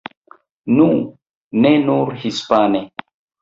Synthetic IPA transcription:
nu | nenuɾhispane

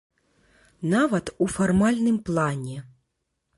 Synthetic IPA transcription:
navɐt̪ufarmalʲnɨmplˠanʲɛ

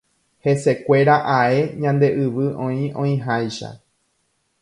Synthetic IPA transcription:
he̞se̞kʷe̞ɾaʔae̞ɲãnd̪e̞ʔɨʋɨʔõĩõĩɦajʃa̰

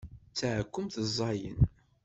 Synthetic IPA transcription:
t͡sːaʕkʷːʊmθəzˤːɑjə̰n

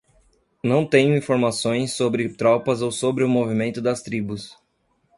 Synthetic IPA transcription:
nɐ̃w̃t̪ẽɲʊĩfoɾmasõj̃sːobɾɪt̪ɾɔpɐzowsobɾɪʊmovimẽnt̪ʊd̪ɐst̪ɾibʊs

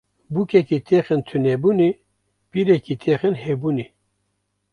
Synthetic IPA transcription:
bukʰɛkit̪ʰexɨnt̪ʰɨnɛbuːni | piɾɛkit̪ʰeːxɨnhebuni

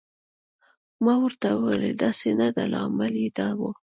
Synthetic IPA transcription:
mɑwəɾt̪awelḛd̪ɑsenad̪alɑ̰maled̪ɑwo

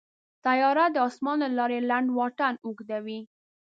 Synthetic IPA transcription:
t̪ajɑɾad̪əɑsmɑnlalɑɾelaɳɖwɑʈanuɡd̪awi

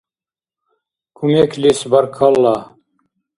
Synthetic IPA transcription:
kʰumekʰlisbɐɾkʰalːa

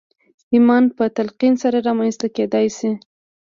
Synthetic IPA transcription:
imɑnpət̪alqinsaɾaɾɑmanst̪aked̪ɑjsi

